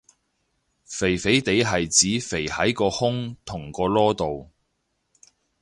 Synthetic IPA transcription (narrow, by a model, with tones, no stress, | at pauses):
fe˨˩jfe˨˥jt̪e˨˧˥jɦɐ˨jt͡siː˨˥fe˨˩jhɐ˨˥jkɔː˧hʊ˥ŋt̪ʰʊ˨˩ŋkɔː˧lɔː˥t̪o˨w